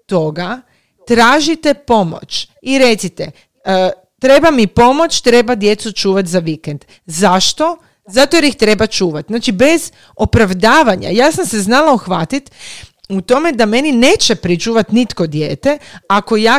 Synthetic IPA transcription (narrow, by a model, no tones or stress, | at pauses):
t̪o̞ɡa | t̪ɾaːʒit̪e̞po̞mo̰t͡ʃ | iɾe̞t̪sit̪e | t̪ɾe̞bamipo̞mo̞t͡ʃt̪ɾe̞bad̪je̞t̪sut͡ʃuːʋat̪zaʋikend̪̥ | zaʃt̪o̞ | zat̪oeɾixt̪ɾe̞bat͡ʃuːʋat̪znaːt͡ʃibe̞z | opɾaʋd̪aːʋaɲa̰jaːsamse̞znalaoxʋat̪it̪ut̪o̞me̞d̪ame̞nineːt͡ʃepɾit͡ʃuːʋat̪nit̪ko̞d̪jeːt̪e̞ako̞jaː